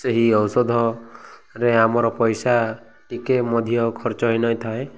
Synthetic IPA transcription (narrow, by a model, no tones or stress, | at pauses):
seɦiɔwsɔd̪ʱɔ | ɾeamɔɾɔpɔjsa | ʈikemɔd̪ʱijɔkʰɔɾt͡ʃɔɦinɔjt̪ʰae